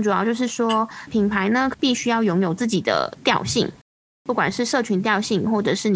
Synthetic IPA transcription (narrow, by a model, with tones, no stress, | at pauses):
ʈ͡ʂu˨˩jɑ˥˧ʊt͡ɕjo˥˧ʊʂɻ̩˥˩ʂwɔ˥pʰi˨˩npʰa˧˥ɪnə˧pi˥˩ɕy˥jɑ˥˩ʊjʊ˧˥ŋjo˨˩ʊt͡sɹ̩˥˩t͡ɕi˨˩d̪ə̰˦t̪jɑ˥˧ʊɕḭ˥˨˩ŋ | pu˥˩kwa˨˩nʂɻ̩˥˧ʂɤ˥˩t͡ɕʰy˧˥nt̪̬jɑ˥˧ʊɕi˥˨ŋxwɔ˥˩ʈ͡ʂɤ˨˩ʂɻ̩˥˩n˨˩